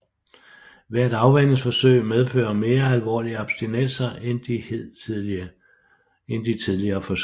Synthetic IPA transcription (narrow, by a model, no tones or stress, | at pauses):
ʋæɐ̰d̥ɑ̈ʊʋæn̰̩sfɒ̽søɪ̰með̞ˠfø̰ːɐme̝ːɐælʋɒ̰ːliəɒb̥sd̥inesɐend̥iheð̰ˠ | end̥it͡sʰiðˠliɐːfɒ̽s